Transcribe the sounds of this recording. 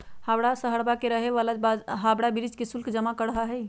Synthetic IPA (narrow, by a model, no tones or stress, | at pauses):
habɽasəɦəɾbakeɾəɦeʋalabaɦabɽabiɾid͡ʒkesulkd͡ʒəmakəɽɦaɦɛj